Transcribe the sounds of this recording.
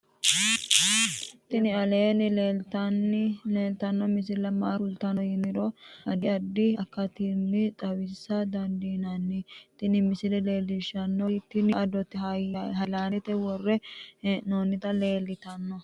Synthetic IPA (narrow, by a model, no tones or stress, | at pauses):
t̪ɪnɪɐleːnɪleːlt̪ɐnːɪeːlt̪ɐnːɔmɪs̬ɪlɐmaːɾʊlt̪ɐnɔjɪnɪɾɔɐd̪ɪɐd̪ːɪɐkːɐt̪ɪmːɪt̪ʼɐwɪsːɐd̪ɐd̪iːnɐnːɪt̪ɪnɪmɪsɪlɛle̞ːlːɪʃɐnːɔt̪ːɪnɪʔɐd̪ɔt̪ːɪhɐjɦɐlaːɛt̪ɛwɔrːɛnoːnːɪt̪ɐle̞ːlɪt̪ɐnːɔ